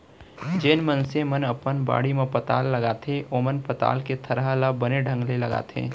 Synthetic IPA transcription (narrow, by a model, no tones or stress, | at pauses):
d͡ʒeːnmənsemənɐpənba̰ːɽimẽpət̪aːlːɐɡaːt̪ʰeʔoːmənpɐt̪a̰ːlket̪ʰɐɾɦalabəneɖʱə̃ŋɡlelɐɡa̰ːt̪ʰḛː